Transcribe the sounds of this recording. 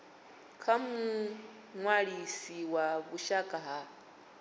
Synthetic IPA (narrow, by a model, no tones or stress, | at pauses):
kʰamu | ŋwaɺisiwaβuʃakʼaɦa